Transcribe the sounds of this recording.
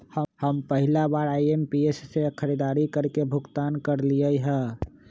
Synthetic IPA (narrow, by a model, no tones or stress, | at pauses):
həhəmpəɦɪlabaːɾaːiempiesːekʰəɾid̪aːɾikəɾkebʱʊɡt̪aːnkəɾliəiɦɛ̃ː